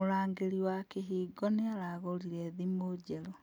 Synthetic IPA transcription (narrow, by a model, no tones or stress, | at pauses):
oɾaːŋɡeɾiwakeɦiːɡɔneaɾaɣoliɾɛðimoːɟɛɾo